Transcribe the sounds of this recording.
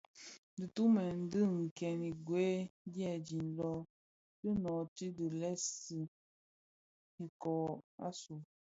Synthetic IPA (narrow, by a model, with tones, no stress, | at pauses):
dɨ˨tu˦mɛ˨n̩˦dɨ˦˨ŋ̩˨kɛ˨ni˨ɡwe˨˦djɛ˦˨d͡ʒi˨nlɔ˦ | tɨ˦nɔ˨ti˦di˨lɛ˦si˨ | i˨kɔː˨a̰˦su˨